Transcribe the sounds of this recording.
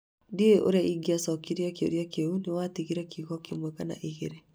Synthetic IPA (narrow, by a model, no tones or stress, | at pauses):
dieʔo̰ɾaiɡiasɔkiɾjakeo̰ɾjakeunewatiɣiɾɛkiɣɔkemwɛkana̰ʔiɣeɾe